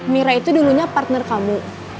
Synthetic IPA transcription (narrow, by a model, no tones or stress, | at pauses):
miɾait̪uduluɲapart̪nərkamu